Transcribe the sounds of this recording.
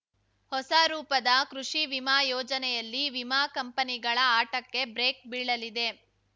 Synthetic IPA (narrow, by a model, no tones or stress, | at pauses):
hɔsaɾuːpɐd̪ɐkɾuʂiʋimaːjɔːd͡ʒɐnɛjɐlːiʋimaːkɐmpɐniɡɐɭɐaːʈɐkːe̞bɾeːk̚biːɭɐlid̪e̞